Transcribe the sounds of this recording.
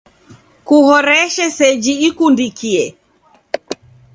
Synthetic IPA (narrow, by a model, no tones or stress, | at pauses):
kuhɔɾɛʃɛsɛd͡ʒiːkundikiɛ